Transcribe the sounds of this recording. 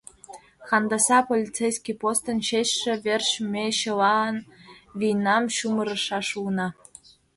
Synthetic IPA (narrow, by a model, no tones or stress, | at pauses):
xɑnd̪ɑsɑpolʲit͡sejskʲipost̪ə̆nɕeɕːĕβʲerɕmʲeɕɤ̆lɑnβʲijnɑmɕumɤ̆ɾɤ̆ʃɑʃunɑ